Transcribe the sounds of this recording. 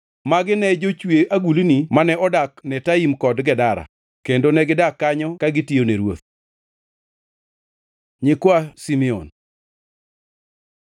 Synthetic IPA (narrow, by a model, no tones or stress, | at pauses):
maɡɪnɛd͡ʒot͡ʃweʔaɡulinimanɛɔdaknɛtaimkɔdɡɛdaɾa̰ | kendonɛɡɪdakːaɲɔkaɡɪtioneɾwot̪ | ɲɪkwasimɛo̰n